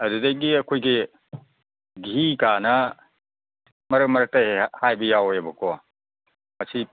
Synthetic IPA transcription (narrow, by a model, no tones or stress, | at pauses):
ɐdudeɡiɐkʰojɡi | ɡʱikanɐ | mɐɾɯkmɐɾɐk̚tɐehajbɐjawjɐbɐkʰɔ | mɐsi